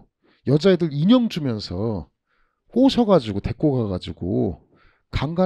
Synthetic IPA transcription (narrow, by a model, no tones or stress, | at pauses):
jʌd͡ʑaedɯɾiɲʌŋd͡ʑumjʌnsʰʌ | ɸoɕʰʌɡad͡ʑuɡote̞k͈oɡaɡad͡ʑuɡo̰ | kaŋɡa